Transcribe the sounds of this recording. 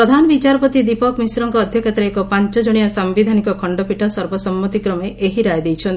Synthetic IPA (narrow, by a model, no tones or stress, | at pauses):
ɾɔd̪ʱanɔbit͡ʃaɾɔpɔt̪id̪ipɔkmisɾɔŋkɔːd̪ʱjɔkʰet̪ɾeekɔpaɲt͡ʃɔd͡ʒɔɽ̃ijɔsambid̪ʱanikɔkʰɔɳɖɔpiʈʰɔsɔɾbɔsɔmːɔt̪ikɾɔmeʔeɦiɾajd̪ejt͡ʃʰɔn